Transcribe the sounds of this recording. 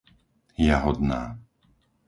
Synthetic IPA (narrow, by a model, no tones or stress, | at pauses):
jaɦɔd̪naː